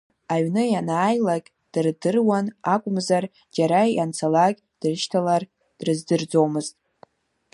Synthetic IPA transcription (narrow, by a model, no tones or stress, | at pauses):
aɥnɨjanaːjlaɡʲʼ | d̥ɨrdɨrwanakʷʼʊmzar | d͡ʒaɾaant͡sʰalakʲ | d̥ɨrʃtʰalar | d̥rɨzdɨrd͡zo̞wmɨztʼ